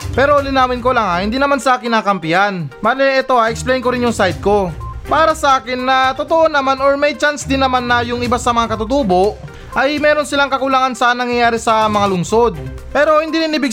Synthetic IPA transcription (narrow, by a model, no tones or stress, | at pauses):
pɛːɾo̞lɪnaːmɪnko̞lɐŋɐhɪnd̪iːnɐmansɐʔaːkɪnaːkɐmpɪhanmaːlɛɛt̪o̞ɐʔɛksplejnko̞ɾɪnjʊŋsajd̪̚ko̞paːɾɐsɐʔaːkɪnːɐt̪ot̪oʔo̞nɐmanoɹmɐjt͡ʃansd̪ɪnːɐmanːɐjʊŋɪbasɐmɐŋakɐt̪ʊt̪uːbo̞ʔ | ʔɐjmɛːɾo̞nsɪlaŋkɐkʊlaŋansɐnɐŋjɐjaːɾɛsɐmɐŋalʊŋso̞d̪̚ | pɛːɾo̞hɪnd̪iːɾɪnɪbɪɡ